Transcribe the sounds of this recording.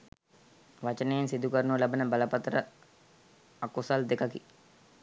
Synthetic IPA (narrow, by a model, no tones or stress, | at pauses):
ʋat͡ʃənejːnsid̪ukəɾnuʋəlɐbənəbɐləpɐt̪ɾə | akosald̪ekɐki